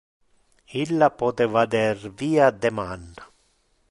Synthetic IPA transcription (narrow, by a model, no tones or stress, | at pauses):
ilːapɔt̪ɛvad̪ɛrviːad̪ɛmanːa